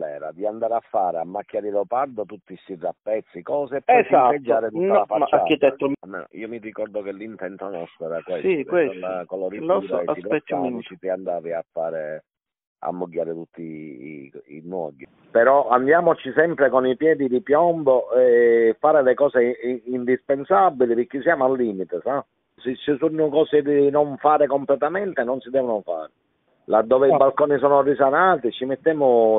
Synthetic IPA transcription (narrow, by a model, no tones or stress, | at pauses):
ɛ̰ːɾa̰d̪iand̪aːɾafːaːɾeamːakːjaːɾilopard̪ot̪ut̪ːisirːapːɛt̪sːikɔːsepːɛsased͡ʒːaːɾet̪utnːalafaaakːet̪ɛt̪ːoamːḛːno̰ḭːomirikɔɾd̪okelint̪ɛnt̪onɔst̪ɾoɛːɾakwesikweolːakoloɾiasid̪ɛɛt̪ːamiit͡ʃit̪iand̪aːviafːaːɾe | a̰mːoɡːaːɾet̪ut̪ʰːḭ | ḭnwɔ̰ɡi | peɾɔand̪jaːmot͡ʃisɛmpɾekonipjɛːd̪id̪ipjɔmboɛfaːɾelekɔːseind̪ispensabːilipɪk̟ːɪsjaːmoalːiːmit̪esa | set͡ʃːisunːokɔːsed̪inɔɱfaːɾekomplɛt̪amɛnt̪enɔnsid̪ɛːvonofa̰ːɾe | lad̪ːɔːveibalkɔːnisɔːnorisanaːt̪it͡ʃːimet̪ːɛːmʊ